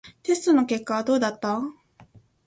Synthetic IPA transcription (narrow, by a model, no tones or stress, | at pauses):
t̪e̞sɨ̥t̪ono̞ke̞kːaβad̪o̞ːd̪at̪ːa